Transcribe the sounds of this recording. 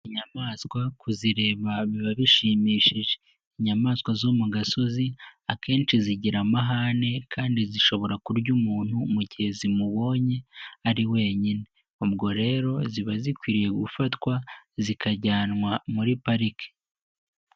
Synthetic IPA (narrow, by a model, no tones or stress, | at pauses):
iɲamaːskwakʰuziɾe̞ːβaβiβaβiʃiːmiːʃiʒe | iɲamaːskwazoːmuɡaso̞ziake̞ːnt͡ʃiziɟiɾamaɦane̞kʰaːndiziʃo̞βo̞ɾakuɾɟumuːn̥humuɟihe̞zimuβo̞ːɲe̞aɾiwe̞ːɲine̞ | ubɡo̞ɾe̞ːɾo̞ziβazikwiːɾije̞ɡufatkwazikʰaɟaːnwamuɾipaɾike̥